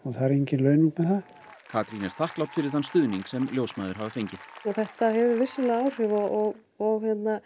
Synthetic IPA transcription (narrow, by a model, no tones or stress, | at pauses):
ɔθaɾeɲcɪnlœːɥniŋkmɛðθa | kʰaːt̪ɾinɛɾ̥θahklawt̪fɪɾɪɾ̥hanst̪ʏːðniŋksɛmljowsmaːðʏɾɦavɪfejɲcɪθɔθɛht̪ahɛvʏɾvɪsːʏlaaːwr̥ʏvɔɔɣ | ɔɣçjɛt̪na